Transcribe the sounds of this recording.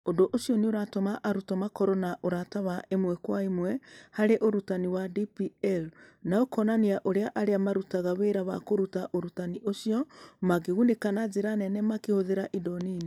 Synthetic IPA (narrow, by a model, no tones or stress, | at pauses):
ondoʔosijɔneoɾatomaʔaɾutɔmakɔɾɔnaʔoɾatawaʔemwɛkwaimwɛhaɾeʔoɾutaniwadipiɛlnaokɔnaniaʔoɾeaʔaɾeamaɾutaɣaweɾaβa̰koɾutaʔoɾutaniʔosiɔmaɡeɣunekanazeɾanɛnɛmakehoðeɾaʔidɔniːni